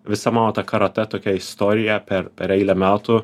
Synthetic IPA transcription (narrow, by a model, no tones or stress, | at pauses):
ʋʲɪsɐmɑːnoːt̪ɐkɐɾɐt̪ʲɛt̪oːkʲɛɪst̪oːɾʲɪjɛpʲɛɾɛɾʲɛɪlʲɛmʲæːt̪ʊ